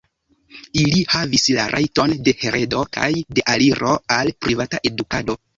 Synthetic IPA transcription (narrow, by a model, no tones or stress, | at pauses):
ilihavislaɾʔa̰jto̞nde̞he̞ɾe̞do̞kʰa̰jde̞ʔaliɾʔo̞alpɾivataʔe̞dukado̞